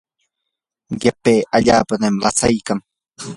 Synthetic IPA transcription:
ɢapeːʔaʎaːpanemlat͡sajkaŋ

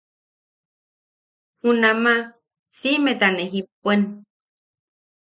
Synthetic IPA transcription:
hunama | simet̪aneɦipuen

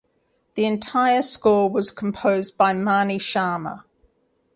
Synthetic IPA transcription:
ðiɪ̃ntʰaɪəskɔːwɒz̥kʰə̃mpʰəʊzbaɪmɑːniʃɑːmə̰

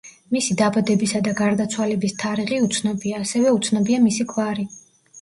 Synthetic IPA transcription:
misid̪abad̪ɛbisad̪aɡaɾd̪at̪sʰwalɛbist̪ʰaɾiʁiut̪sʰnɔbiaːsɛvɛut̪sʰnɔbiamisikʰwaɾi

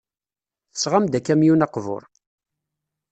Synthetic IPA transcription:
θə̥sʁamd̪ækːæmjunɑqvʊ̰ɾˤ

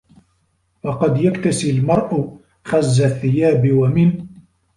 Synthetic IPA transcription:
wɑqɑd̪jakt̪asɪlmɑɾˤʔʊ | xazːaθːɪjaːbɪwamɪn

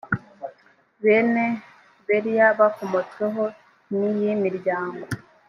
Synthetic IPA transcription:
βeːne̞ | βeɾijaβakomot͡swe̞ɦo̞ | nijimiɾɟaːŋɡo̞

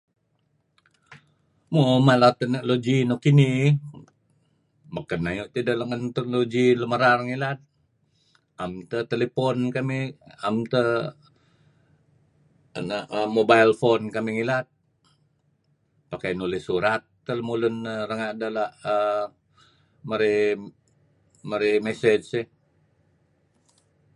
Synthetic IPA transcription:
momalat̪ənəʔlod͡ʒinokini | makənːajuʔt̪idəlaŋənt̪ək̚nloɡiləməɾarŋilat̪̚ | amt̪ət̪elepɔnkamiamt̪ə | ənaʔmobailfonkamiŋilat̪̚ | pakajnolɪsuɾat̪̚ːələmulʊnərəŋaʔdalaʔə | məɾi | məɾimɛsɛd͡ʒsɪh

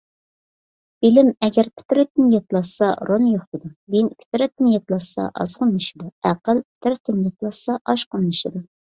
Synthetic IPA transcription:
bilɪmɛɡʲæɾpʰɪ̥t̪ɪɾɛt̪̚ɪnjɑt̪lˠɑssɑɾoljoχt̪ɨd̪ubenpʲʰɪ̥t̪ʰɾɛt̪ːɪnjɑt̪lˠɑsɑ̰ʔɑ̰zʁʊnlːɨʃɨd̪uæqəlpʰɪ̥t̪ɪɾt̪ɪnjɑt̪lˠɑssɑʔɑʃqʊnlˠɨʃid̪u

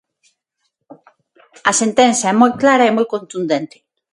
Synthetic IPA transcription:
ɐsent̪ɛnθjaɛmojklaɾɐemojkõnt̪und̪ent̪ɪ̥

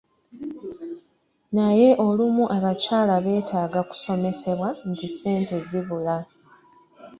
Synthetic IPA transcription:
naje̞ʔo̞lumuʔaβacaːlaβe̞ːtaːɡaku̥so̞me̞se̞βwantise̞ːnte̞ziβula

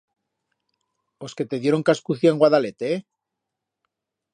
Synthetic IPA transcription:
o̞ske̞t̪e̞ðje̞ɾo̞ŋkaskuθjaeŋɡwaðale̞t̪e

